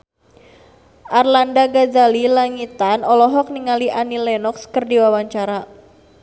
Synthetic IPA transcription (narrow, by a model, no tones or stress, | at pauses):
ʔarlandaɡazalilaŋit̪anɔlɔɦɔk̚niŋaliʔanilɛnɔkskərdiwawaɲt͡ʃaɾa